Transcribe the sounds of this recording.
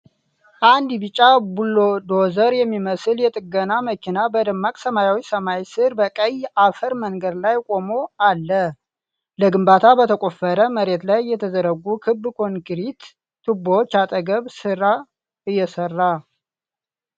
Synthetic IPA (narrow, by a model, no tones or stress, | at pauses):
ʔand̪bɨt͡ʃʼːabulːod̪ozəɾjɛmːiməsɨljɛt̪ʼɨɡənaməkʰinabəd̪əmːakʼsəmajawisəmajsɨɾbəkʼəjafəɾməŋɡəd̪lajkʼo̞mo̞alːə | ləɡɨmbat̪ʰabət̪ʰəkʼo̞fəɾəməɾe̞t̪lajːɛt̪ʰəzəɾəɡːukʰɨbːkʰo̞nkɨɾit̪ːʰ | ɨboot͡ʃːat̪ʼəɡəβsɨɾa | ɨjːɛsərːa